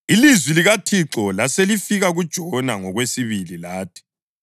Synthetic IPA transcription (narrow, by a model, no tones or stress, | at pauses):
ilizwiliɣatʰiǁɔlaselifiɣaɣud̥ʒ̥ʱɔnaŋɔɣwesiβililaːtʰi̥